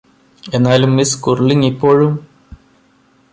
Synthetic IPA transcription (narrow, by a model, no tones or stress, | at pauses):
e̞nːaːlumːiskurliŋipːo̞ːɻum